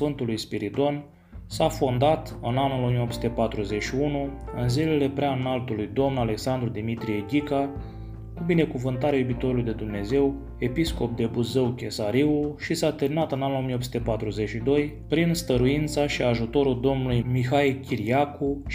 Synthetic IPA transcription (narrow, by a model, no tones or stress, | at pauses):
ɨnt̪ulujspiɾit̪o̞n | safond̪at̪ɨnanulo̞mijo̞psu̥t̪e̞pat̪ɾuze̞ʃiunuɨnzile̞le̞pɾeanalt̪ulujd̪o̞mnale̞ksand̪ɾud̪imit̪ɾije̞ɡʲika | kubine̞kuvɨnt̪aɾeajubit̪o̞ɾulujd̪e̞d̪umne̞ze̞w | e̞pisko̞p̚d̪e̞buzəwkʲe̞saɾiulʃisat̪enat̪ɨnanulo̞mijopsu̥t̪e̞pat̪ɾuze̞t͡ʃid̪o̞j | pɾinst̪əɾuint̪saʃiaʒut̪o̞ɾuld̪o̞mnulujmixajkʲiɾiaku